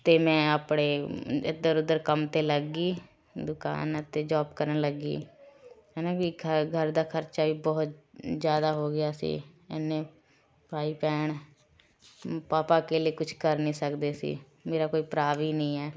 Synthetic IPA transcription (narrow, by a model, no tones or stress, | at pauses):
t̪eːmɛ̃ːaːpɽeːɪd̪əɾʊd̪əɾkəmt̪eːləɡiː | d̪ʊka̰ːnt̪eːd͡ʒaːbkəɾənləɡḭː | ɛːnãːbiːɡʱəɾd̪aːkʰəɾt͡ʃaːʋiːbɔːt̪zjaːd̪aːɦoːɡɪjaːsḭː | ɛnːeː | paːiːpɛːɳ | paːpaːkeːlɪeːkʊt͡ʃʰkəɾnĩːsəkd̪eːsḭː | meːɾaːkoːiːpɾaːʋiːnəĩːɛː